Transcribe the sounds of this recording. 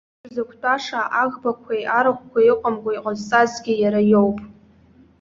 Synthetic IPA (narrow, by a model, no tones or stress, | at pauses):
zakʷʰtʼaʂaʔaɣbakʷʰajʔaɾaχʷkʷaɪqʷʼamɡʷaiqʼazt͡sʼazɡʲɪjaɾajowpʼ